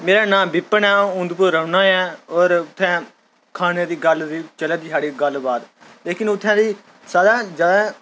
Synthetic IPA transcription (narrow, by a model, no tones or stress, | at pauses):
meːɾaːnãːbɪpːənãːʊ̃nd̪pʊɾːəʊnãːɛːɔːɾʊt̪ʰːɛ̃ː | kʰaːneːd̪iːɡəld̪iːt͡ʃəled̪iːsaːɽiːɡəlbaːd̪ | leːkɪnʊt̪ʰːɛ̃ːd̪iː | saːd̪aːd͡ʒaːd̪ãː